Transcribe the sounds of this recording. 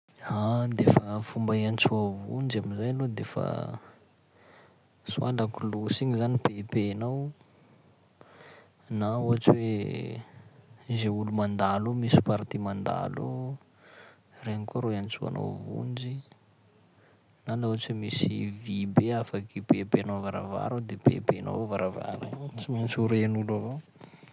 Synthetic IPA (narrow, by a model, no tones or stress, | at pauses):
ad̪efəfumbaiant͡suavṵnd͡ʒiamizajalod̪efə̰ | sualakulusiɲizanipepenaw | naoat͡ʃwe | zeulumand̪alomisi̥paɾt̪imand̪a̰lo | reɲikuaɾoant͡sua̰no̰wvṵnd͡ʒi | nalauat͡swemisivibeafakipepeanovaɾa̰va̰ɾad̪epḛpena̰wvaɾava̰ɾa̰t͡simant͡suɾenulavo